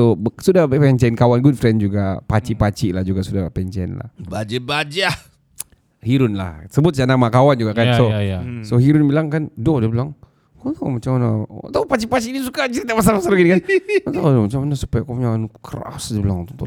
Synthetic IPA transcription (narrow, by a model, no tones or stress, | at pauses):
sobsudabɛʔpɛɲt͡ʃɛnkawanɡut̚fɾɛnd͡ʒuɡapat͡ʃiʔpat͡ʃiʔlahd͡ʒuɡaʔsudapɛnt͡ʃɛ̰nla̰hbad͡ʒabad͡ʒa | hiɾʊnla̰hsəbʊt̪̚sanamakawand͡ʒuɡaʔkat͡ʃɔjsohiɾʊnbilaŋkandodəbəlaŋ | kojamat͡ʃamanaa̰t̪awpat͡ʃipat͡ʃiʔnisukat͡ʃiɾit̪aʔpas̬almasalɡinikanat̪adomat͡ʃamanasu̥pajakopuɲanukəɾa̰sdibəlaŋt̪ut̪u